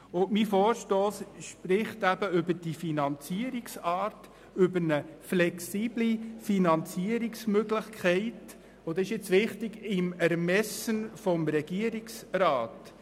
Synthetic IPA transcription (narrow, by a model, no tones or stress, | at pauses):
ʊmifɔːɾʃtoːsʃpɾɪχt̪æbəʏbəɾd̥ifinɑnt͡siəɾiksɑːɾt | ʏbəɾnəflɛksiːblifinɑnt͡siəɾiksmøɡlɪχkʰχɛɪt | od̪ɑɪʃɪt͡sʋɪχtɪɡɪmæɾmɛsənfɔmɾɛɡ̥iəɾiksɾɑːt